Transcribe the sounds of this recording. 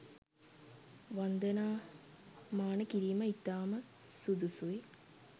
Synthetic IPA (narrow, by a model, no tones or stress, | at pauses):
ʋand̪ənaː | maːnəkiɾiːməit̪ːaːmə | sud̪usui